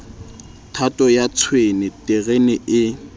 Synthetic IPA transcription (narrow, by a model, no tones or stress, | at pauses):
tʰatʼɔjat͡sʰwenɛtʼeɣenɪʔɪ